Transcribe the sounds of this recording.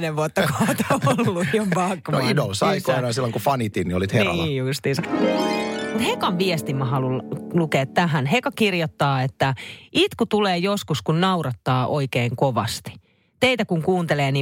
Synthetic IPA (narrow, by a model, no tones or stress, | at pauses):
neʋʋuot̪ːɑkot̪olːuiompɑkːʋoidousɑikoːnɑːnsilːoŋkufɑnit̪innioliːt̪henr̰ust̪insɑ | mut̪hekɑʋʋiest̪imːɑɦɑlullukeːt̪tæɦænɦekɑkirjot̪ːɑːet̪ːæit̪kut̪uleːjoskuskunnɑuɾɑt̪ːɑːʔoikeːŋkoʋɑ̰st̪i̥ | t̪eit̪ækuŋkuːnt̪eleːni